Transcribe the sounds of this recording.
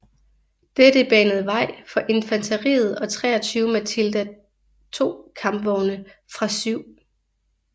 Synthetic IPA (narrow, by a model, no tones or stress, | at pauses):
d̥eɾ̥əb̥ɛnəð̞̩ˠəʋɑ̈ɪ̰fɒ̽ʔe̝nfænt͡sʰæʁḭːð̞̩ˠɒ̽t͡sʰʁɛ̰ːɐt͡sʰyːʊəmæt͡sʰild̥æ | t͡sʰo̝̰ːkʰɑ̈mb̥ʋɒʊnəfʁɑ̈syʊ̰